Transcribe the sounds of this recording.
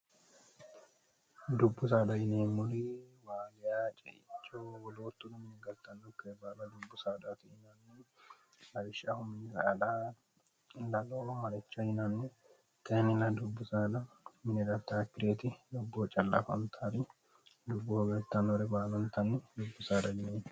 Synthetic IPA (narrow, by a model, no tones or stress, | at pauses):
d̪ʊbːʊs̬aːd̪ɐjɪneːmʊɾiwaːɡɪjaːt͡ʃʼɛʔɪt͡ʃːowɔloːt̪ːʊd̪ʊmɪnɛɡɐlt̪ːɐnːʊkːeːbaːlɐd̪ʊbːʊsaːd̪at̪ɪɪnɐnːɛ | ɐɾɪʃːahʊmɪnsɐda | lɐlomɐɾɛt͡ʃːɐjɪnɐnːɛ | t̪ʰɛnɪlɐd̪ʊbːʊsaːd̪ɐ | mɪnɛd̪ɐft̪aːkːɪɾeːt̪ɪd̪ʊbːoːt͡ʃʼɐlːa̰fɐ̰mt̪ʰaɾɪ | d̪ʊbːoɡɐlt̪ːɐnɔɾɛbaːlɐnt̪ɐnːɛd̪ʊbːʊsaːd̪ɐjɪneːn